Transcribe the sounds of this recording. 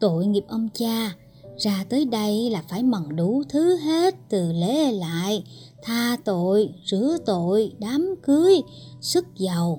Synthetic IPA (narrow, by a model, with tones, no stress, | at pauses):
t̪o̰˧˨jŋi˨˩əp̚ʔə˧ŋ͡mt͡ɕaː˧ | zaː˧t̪əː˨˦jɗə˧jlaː˨˩faː˧˩jmə˨˩ŋɗu˧˩t̪ʰɨ˨˦ɦe˦˥t̚t̪ɨ˨˩le˧˨˦la̰ː˧˨j | t̪ʰaː˧t̪o̰˧˨jzɨ˧˩ət̪o̰˧˨jɗaː˨˦mkɨ˨˦əjsɨ˦˥k̚zə˨˩w